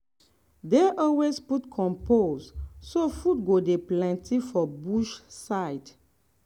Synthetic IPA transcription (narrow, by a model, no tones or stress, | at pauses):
deʔɔlwesputkʰɔ̃mpozsofut̚ɡodeplãntʰifɔbuʃsaɪd